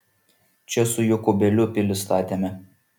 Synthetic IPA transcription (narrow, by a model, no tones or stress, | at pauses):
t͡ʃʲɛsʊjʊkʊbʲɛlʲʊpʲɪlʲʊst̪ɑːt̪ʲemʲɛ